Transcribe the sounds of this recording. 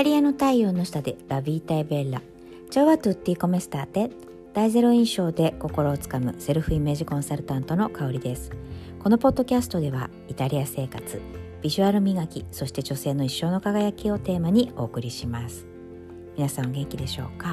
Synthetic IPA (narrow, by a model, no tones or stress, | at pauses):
it̪aɾʲiano̞t̪aio̞ːno̞ɕi̥t̪ad̪eɾabʲiːt̪aibe̞ɾːa̰ | t͡ɕoːβat̪ɯt̪ːiːko̞me̞sɨ̥t̪aːt̪e̞ | d̪̥aize̞ɾo̞ĩɰ̃ɕo̞ːd̪e̞ko̞ko̞ɾo̞ːt͡sɨ̥kamɯ̟̰se̞ɾɯ̟ɸɯ̟ime̞ːʑikõ̞ɰ̃saɾɯ̟t̪ãnt̪o̞no̞kao̞ɾʲid̪esɨ̥ko̞no̞po̞d̪ːo̞kʲasɨ̥t̪o̞d̪e̞βa̰ | it̪aɾʲiase̞ːkat͡sɨb̥ʲiʑɨaɾɯ̟mʲiɡakʲiso̞ɕi̥t̪e̞d͡ʑo̞se̞ːno̞iɕːo̞ːno̞kaɡajakʲio̞t̪e̞ːmaɲ̟io̞ːkɯ̟ɾʲiɕimasɨ̥ | mʲinasãɡẽ̞ŋkʲid̪e̞ɕo̞̰ːka